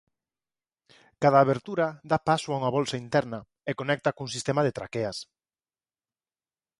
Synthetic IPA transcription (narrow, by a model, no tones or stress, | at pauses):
kað̞aːβeɾt̪uɾaðapasoauŋaβɔlsaint̪ɛɾna | ekonɛk̚t̪akuŋsist̪emaðet̪ɾa̰keas